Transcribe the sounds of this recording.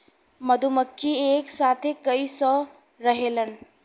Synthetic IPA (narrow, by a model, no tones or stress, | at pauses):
məd̪ʱuməkʰːieksat̪ʰekəjsɔ | ɾəɦelən